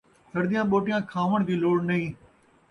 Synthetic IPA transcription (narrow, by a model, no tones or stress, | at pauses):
səɾd̪ɪjãːɓoːʈɪjãːkʰaːʋəɳ̃d̪iːloːɽnəĩː